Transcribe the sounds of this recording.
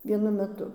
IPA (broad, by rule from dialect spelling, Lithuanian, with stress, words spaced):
ʋʲiɛˈnʊ mʲɛˈtʊ